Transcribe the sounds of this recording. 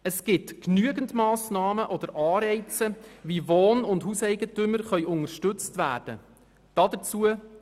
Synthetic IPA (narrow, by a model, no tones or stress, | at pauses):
əsɡ̥ɪtknyəɡəndmɑːsnɑːməʔɔd̥̪əɾʔɑːɾɛɪt͡səvivoːnʊndhusɛɪɡətʏməɾχœʏʔʊŋəɾʃtɵt͡stvæ̰ːɾd̥ə̰ | d̥ɑdət͡suə